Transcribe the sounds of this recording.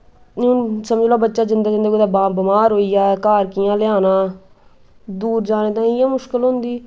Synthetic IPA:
nːʊnsəməd͡ʒloːbətːʃaːd͡ʒɪnd̪aːd͡ʒənd̪d̪aːbɪmaːɾɦoːiːaːɛkaːɾkɪjãːlɪaːnãː | d̪uːɾd͡ʒaːneːt̪ãːɪjãːmʊʃkəlɦʊ̃nd̪iː

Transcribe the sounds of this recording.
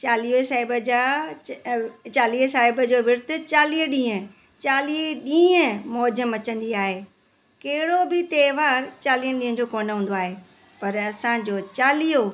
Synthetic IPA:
t͡ɕaːlisaːɦɪbəd͡ʑaː | t͡ɕaːliːɦsaːɦɪbəd͡ʑoːʋɪɾt̪ʊt͡ɕaːliːɦɗĩːɦə̃ | t͡ɕaːliɗĩːə̃mɔːzəmɐt͡ɕə̃nd̪iaːɦeː | keɦɪɽobɪt̪eːʋaːɾt͡ɕaːliːənɗĩɦə̃d͡ʑoːkoːnɦũːnd̪oaːɦe | pɐɾɐsãd͡ʑoːt͡ɕaːlijo

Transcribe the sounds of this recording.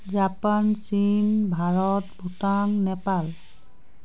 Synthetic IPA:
zapansimbʱaɹɔtbʱutaŋnɛpal

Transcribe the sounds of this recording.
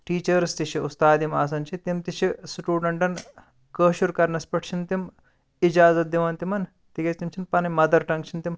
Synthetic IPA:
ʈiːt͡ʃɐɾst̪iʃʰiust̪aːd̪imaːs̬ɐnt͡ʃʰit̪imt̪it͡ʃʰisʈuːɖɐɳʈɐn | kəːʃuɾkɐɾnɐspɐʈʰt͡ʃʰint̪im | id͡ʒaːzɐt̪̚d̪iʋɐːnt̪imɐn | t̪iɡɐst̪imt͡ʃʰinpɐnimɐd̪ɐɾʈɐŋkt͡ʃʰint̪im

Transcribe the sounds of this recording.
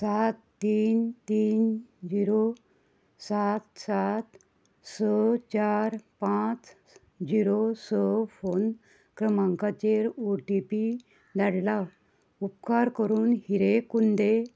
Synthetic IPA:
sat̪ːiːnt̪iːnd͡ʑiɾo | sat̪sat̪ | sət͡ɕaɾpãt͡s | d͡ʑiɾosəfon | kɾəmãŋkat͡ɕeɾuʈipi | d̪aɽla | upkaɾkəɾuːnhiɾekund̪e

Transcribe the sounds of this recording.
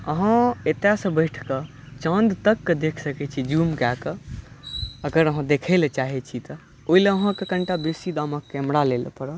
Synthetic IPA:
əɦãet̪asə̃bəɪʈʰkə | t͡ʃə̃nd̪t̪əkːed̪ekʰsəkɛt͡ʃʰid͡ʒumkakə | əɡəɾəɦãd̪ekʰɛlt͡ʃaɦɛt͡ʃʰit̪ə | oileəɦãkekəɳʈabesid̪aməkːɛmɽalel̰pəɾə

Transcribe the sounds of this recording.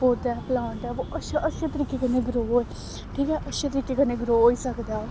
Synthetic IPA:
oːd̪ɛːplãːɳʈɛːʋoːʔəʃaʔəʃet̪əɾiːkekəneːɡɾoːe | ʈʰiːkɛːʔəʃet̪əɾiːkeːkəneɡɾoːiːsəkd̪aː

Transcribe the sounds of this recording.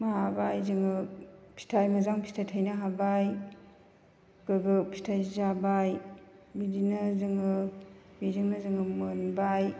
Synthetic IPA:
maɦabajzɯŋɯpʰi̥tʰajmɐzaŋpʰi̥tʰajtʰajnaɦabaj | kɯɡɯpʰi̥tʰajzabaj | midinɯzɯŋɯmizɯŋnɯzɯŋɯmɯnbaj

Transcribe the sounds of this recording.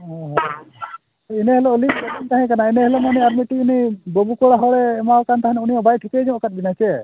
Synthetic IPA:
ɔ̃ɦ | inɛɦɛlɔlip̚kɔdint̪aɦɛ̃kanainɛɦɛlɔmanɛaɾmiʈiːnɛbəbukɔɽaɦɔɽɛːmawkant̪aɦɛ̃nɛunijɔbajʈʰik̪ɛd͡ʒɔ̃kat̪̚binajt͡ʃɛ

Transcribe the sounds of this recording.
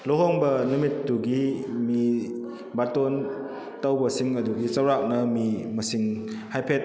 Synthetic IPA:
loɦoŋbɐnumitːuɡimi | baton | tɐwbɐsiŋɐduɡit͡ʃɐwɾak̚nɐmimɐsiŋhajpʰet̚

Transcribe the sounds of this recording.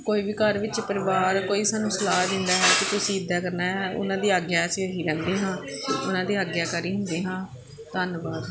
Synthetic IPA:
koːiːʋiːkəɾʋɪt͡ʃpəɾɪʋaːɾkoːiːsaːnũːsəlaːd̪ɪ̃nd̪aːɦɛːkɪt̪ʊsĩːɪd̪ːaːkəɾnaːɦɛːʊ̰nãːd̪iːaːɡjaːsiːoɦiːɾɛ̃ːnd̪eːɦãːʊnãːd̪iːaːɡjaːkaːɾiːɦʊnd̪eːɦãː | t̪ənbaːd̪

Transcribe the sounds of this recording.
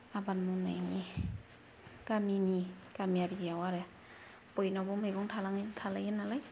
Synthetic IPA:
abanmunajni | kaminikamiaɾiɡijawaɾe | pɔjnabɔmɯjɡɔŋtʰalaŋtʰalajɯnalaj

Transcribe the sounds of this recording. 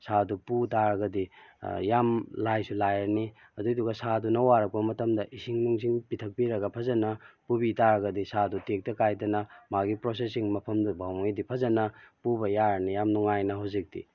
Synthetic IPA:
sʰaduputaɾɐɡɐdijamlajsulajɐɾni | ɐduduɡɐsadunɐwaɾɐk̚pɐmɐtɐmdɐʔisiŋnuŋsiŋpitʰɐk̚piɾɐɡɐpʰɐzɐnɐpubitaɾɐɡɐdisadutek̚tɐkajdɐnɐmaɡipɾosesiŋmɐpʰɐmdubʱawmjdipʰɐzɐnɐpubɐjaɾɐnijamnuŋajnɐɦawzik̚dḭ

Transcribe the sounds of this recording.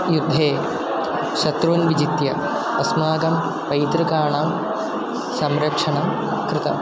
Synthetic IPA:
jud̪ʱːeː | ɕɐt̪ɾuːnʋid͡ʑit̪jɐ | ɐsmaːɡɐm | pɐjd̪ɾɐkaːɳaːm | sɐmɾɐkʂɐɳɐm | kɾɨt̪ɐ̰

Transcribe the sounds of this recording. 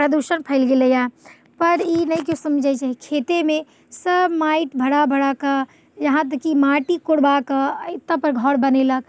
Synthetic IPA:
pɾəd̪uʃənpʰəɪlɡeləja | pəɾinəjkjõsəmd͡ʒajt͡ʃaɦikʰet̪emẽ | səbmaɪʈbʱəɽabʱəɽakə | jɐɦãt̪̬əkimaʈikoɽbakət̪apəɾɡʱɔɽbənelək̚

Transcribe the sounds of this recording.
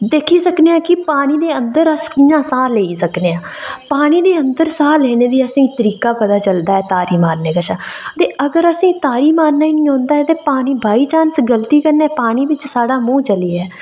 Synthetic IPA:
d̪eːkʰiːsəkneːãːkɪpaːɽ̃iːd̪eːənd̪əɾəsiːjãːsaːleːiːsəkneːãːpaːɽ̃iːd̪eːənd̪əɾsaːlɛːneːd̪iːəsĩːt̪əɾiːkaːpəd̪aːt͡ʃəld̪aːɛːt̪aːɾiːmaːɾneːkəʃʰãːt̪eːʔəɡəɾəsĩːt̪aːɾiːmaːɾnaːiːnĩːɦõːnd̪aːɛt̪eːpaːɽ̃iːbʱaːiːt͡ʃaːnsɡəlt̪iːkəɾnɛːpaːɽ̃iːʋɪt͡ʃsaːɽaːmũːt͡ʃəliːɛː

